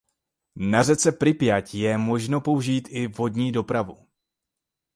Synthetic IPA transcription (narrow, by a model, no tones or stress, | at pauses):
narɛt͡sɛpɾɪpjacjɛmo̞ʒno̞po̞uʒiːt̪ɪvɦo̞dɲiːdo̞pɾavu